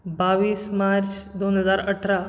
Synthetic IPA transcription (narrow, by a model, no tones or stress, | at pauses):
baʋiːsmaɾt͡ɕd̪onɦəd͡zaɾəʈʰɾa